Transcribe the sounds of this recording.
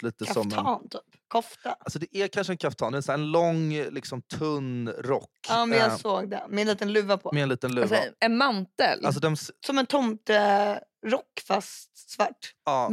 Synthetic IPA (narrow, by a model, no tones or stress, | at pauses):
liːt̪əkʰɾasɔmɛɑnt̪ʰyːpkʰɔft̪aalsɔd̪ɛʔæɾkʰanʂəɛnkʰaft̪ʰɑːnd̪ɛnsæːɾɛnlɔŋlɪksɔmt̪ʰɵnɾɔkːɑːmɛnjasoːɡd̪ɛ̰mɛɛnliːt̪ənlʉ̟ːvapʰɔmɛɛnliːt̪ənlʉːvaɛnmant̪ə̰lalsɔd̪ɛmssɔmɛnt̪ʰɔmt̪əɾɔkːfast̪svaʈːɑː